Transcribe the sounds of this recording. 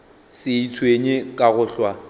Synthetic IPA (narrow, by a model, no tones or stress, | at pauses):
sɪit͡sʰweɲekʼaɣʊɬwa